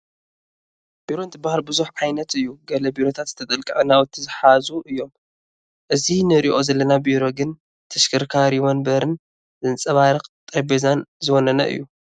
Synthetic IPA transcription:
b̥iɾo̞ɨnt̪ʰɨbahaɾbɨzuħʕajnɐt̪ɨjːuɡɐlɐbiɾo̞t̪ʰat̪zɨt̪ʰɐt̪ʼɐlkʼɨʕnawɔt̪ʰːizɨħazuʔɨjːo̞m | ʔɨzinɨɾiʔo̞zɐlːɐnabiɾo̞ɡɨn | t̪ʰɐʃkʰɨɾkʰaɾiwonbɐɾɨn | zɨnt͡sʼɐβaɾɨkʼt̪ʼɐbezanzɨwonɐnɐ̰ʔɨ̰jːu

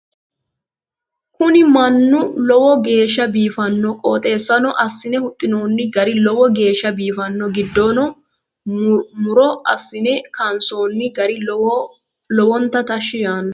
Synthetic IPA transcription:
kʊnɪmɐnːʊlɔwɔɡe̞ːʃːɐbiːfɐnːɔkʼoːt̪ʼe̞ːsːɐnɔʔɐsːɪnɛhʊt̪ʼːɪnoːnːɪɡɐɾɪlɔwɔɡe̞ːʃːɐbiːfɐnːɔɡɪd̪ːoːnɔ | mʊɾɔɐsːɪnɛkʰɐnso̞ːnːɪɡɐɾɪ | lɔwɔnt̪ːɐt̪ɐʃːɪjaːnɐ

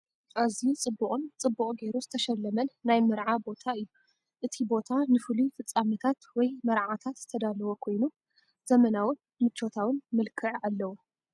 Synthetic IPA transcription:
ʔazit͡sʼɨbːuχʼunt͡sʼɨbːuqʼɡe̞jɾuzɨt̪ʰɐʃɐlːɐmɐnːajmɨɾʕabo̞t̪ʰaɨjːu | ʔɨt̪ʰibo̞t̪ʰanɨfɨlufɨt͡sʼːamɐt̪ʰat̪wɔjmɐɾʕat̪ʰat̪z̥ɨt̪ʰɐd̪alɐwokʰo̞jnu | zɐmɐnawɨn | mɨt͡ʃʰːo̞t̪ʰawɨnmɨlkʰɨʕʔalːɐwu

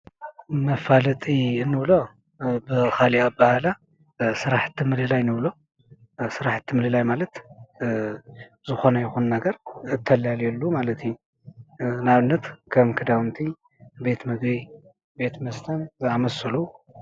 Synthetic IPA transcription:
mɐfalɐt̪ʼiɨnːɨβlo̞ | bɨxaliaβbahala | sɨɾaħt̪ʰːɨmɨlɨlajnɨβlo̞ | sɨɾaħt̪ʰːɨmɨlɨlajmalɐt̪ | zɨxo̞nɐjɪxunːɐɡɐɾɨt̪ʰːɐlaljɛlːumalɐt̪ɨju | naβɨnːɐt̪kʰɐmkʰɨd̪awɨnt̪ʰi | be̞t̪mɨɡbi | be̞t̪mɐst̪ʰɐnzɨamɐsɐlu

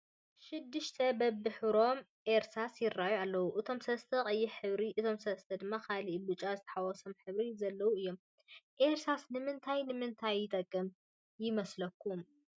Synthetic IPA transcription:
ʃɪd̪ːɨʃt̪ʰɐbɐbːɨħɨɾo̞m | ʔeɾsasjɪrːajualːɐwuʔɨt̪ʰo̞msɐst̪ʰɐkʼɐjːiħɨβɾiʔɨt̪ʰo̞msɐst̪ʰɐd̪ɨmːakʰaliʔbɨt͡ʃʼazɨt̪ʰɐ̥ħawɔso̞mħɨβɾizɐlːɐwuɨjːo̞m | ʔeɾsasnɨmɨnt̪ʰajnɨmɨnt̪ʰajːɪt̪ʼɐkʼːɨm | jɪmɐslɐkːum

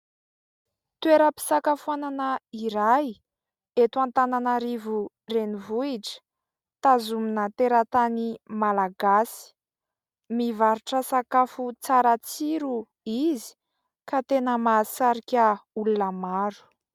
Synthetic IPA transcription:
t̪ueɾəpi̥sakafuananaiɾaj | et̪uant̪ananaɾivu | renivuiʈ͡ʂə̥ | t̪azuminat̪eɾət̪animalaɡasi̥ | mivaɾuʈ͡ʂəsakafut͡saɾat͡siɾu | izi̥ | kat̪enəmasaɾikʲəulunəmaɾu̥

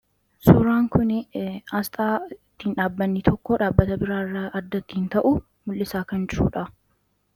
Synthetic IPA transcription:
sʊɾaːŋkʊnɪɐst̪ʼaːɪt̪ːiːnᶑaːbːɐnːɪt̪ʰɔkːoːᶑaːbːɐt̪ɐbɪɾaːɪrːaɐd̪ːɐt̪ːɪhɪnt̪ɐʔʊ | mʊlːɪsaːkɐnd͡ʒɪɾṵːᶑɐ

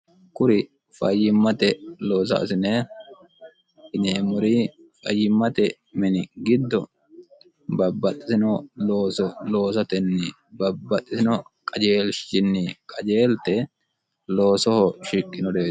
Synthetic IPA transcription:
kʊɾɪ | fɐjːɪmːɐt̪ɛlo̞ːs̬ɐ̰ɐ̰sɪneː | ɪneːmʊɾiː | fɐ̰jːɪmːɐt̪ɛ | mɛnɪɡɪd̪ːɔ | bɐbːɐt̪ʼːɪsɪnɔloːsɔlo̞ːs̬ɐt̪ɛnːɪ | bɐbːɐt̪ʼːɪsɪnɔkʼɐd͡ʒe̞ːlʃɪnːɪkʼɐd͡ʒeːlt̪ɛ | loːsɔhɔʃɪkʼːɪnɔd̪eː

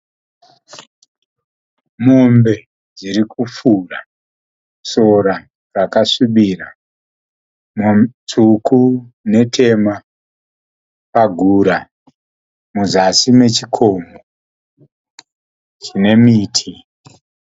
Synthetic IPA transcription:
mo̞mbe̞ | d͡ziɾikup͡fura | so̞ɾa | rakaʂiɓiːra | mt͡suku | ne̞tʰe̞ma | paɡʱuːɾa | muzasime̞t͡ʃikʰo̞ːmo | t͡ʃine̞miːtʰi

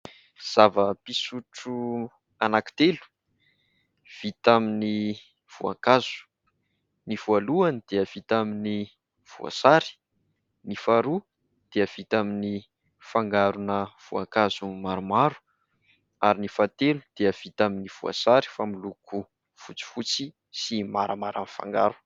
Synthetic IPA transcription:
z̥avəpisuʈ͡ʂu | anaki̥t̪elu̥ | v̥it̪amini | v̥ua̰ŋkazu̥ | niv̥ualuanid̪̥eəv̥it̪amini | v̥ṵa̰saɾi̥ | nifaɾu | d̪̥eəv̥it̪amini | faŋɡaɾunəv̥ua̰ŋkazumaɾumaɾu̥ | aɾinifat̪elu̥d̪̥eəv̥it̪aminiv̥ua̰saɾi̥familukʰu | fut͡si̥fut͡si | simaɾamaɾa̰nfa̰ŋɡa̰ɾu̥

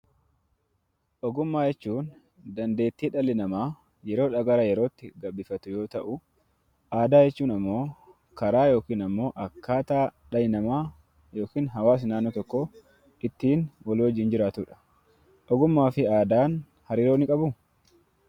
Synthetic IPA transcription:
ʔɔɡʊmːaːjɛt͡ʃːuːn | d̪ɐnd̪e̞ːt̪ːiːᶑɐlɪnɐmaː | jɛɾo̞ːᶑɐɡɐɾɐjɛɾo̞ːt̪ːɪɡɐbɪfɐt̪ʊjo̞ːt̪ɐʔʊ | aːd̪aːjɛt͡ʃːuːnɐmːo̞ː | kɐɾaːjo̞ːkiːnɐmːo̞ːʔɐkʰːaːt̪aːᶑɐjɪnɐmaː | jo̞ːkiːnɦɐwaːs̬naːnːɔt̪ɔkːo | ɪt̪ːiːnwɐlwɐd͡ʒːɪːnd͡ʒɪɾaːt̪ʊᶑɐ̥ | ʔɔɡʊmːaːfɪaːd̪aːn | hɐɾiːɾo̞ːnɪkʼɐbʊ

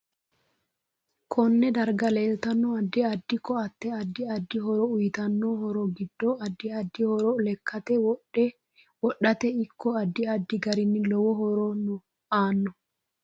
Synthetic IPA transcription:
kʰɔnːɛd̪ɐɾɡɐleːlt̪ɐnːɔɐd̪ːɪɐd̪ːɪkːɔɐt̪ːɛɐd̪ːɪɐd̪ːɪɦɔɾɔʊjɪt̪ɐnːoːhɔɾɔɡɪd̪ːɔɐd̪ːɪɐd̪ːɪhɔɾɔʊlɛkʰːɐt̪ɛw | wɔɗːɐt̪ɛɪkːɔɐd̪ːɪɐd̪ːɪɡɐɾɪnːɪlɔwɔɦhɔɾɔnʊ | aːnːɔ

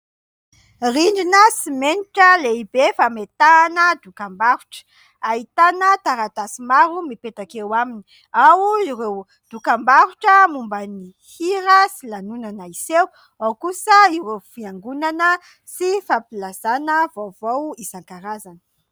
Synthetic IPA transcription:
riɳɖ͡ʐinəsimeniʈ͡ʂəleibefamet̪aːnəd̪ukambaɾuʈ͡ʂə̥ | ait̪anət̪aɾat̪asimaɾumipet̪akewamini̥ | awuiɾew | d̪̥ukambaɾuʈ͡ʂəmumbəni | hiɾəsilanunanəisew | awkusəiɾewfiaŋɡunanə | sifapilazanəvowvowisaŋkaɾazanə̥

